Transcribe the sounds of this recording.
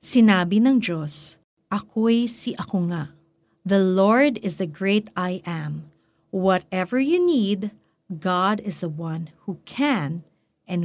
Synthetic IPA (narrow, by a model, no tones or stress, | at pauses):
sɪnaːbinɐŋd͡ʒos | ʔɐkojsiʔɐkoŋa | ðɐloɹd̪ɪzðɐɡɹeɪt̪ajʔɛ̃m | wɔt̪ɛvəɹjunid̪ | ɡɑdɪzðɐwɐ̃nhukʰæ̃n | ʔɛ̃n